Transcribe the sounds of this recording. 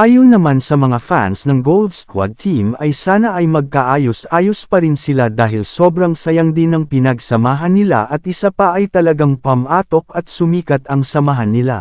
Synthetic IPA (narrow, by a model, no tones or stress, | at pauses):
ʔaːjonɐmansɐmɐŋafa̰nsnɐŋɡold̪skwa̰d̪̚t̪ʰimɐjsaːnɐʔɐjmɐɡ̚kɐʔaːjo̞sʔaːjospɐɾɪnsɪlad̪aːɦɪlso̞bɾɐŋsɐjɐŋd̪ɪnɐŋpɪnɐɡsɐmaːɦɐnːɪla̰ʔɐt̪̚ʔɪsapɐʔɐjt̪ɐlɐɡaŋpɐmʔaːt̪o̞k̚ɐt̪̚sʊmiːkɐt̪ɐŋsɐmɐɦanːɪla̰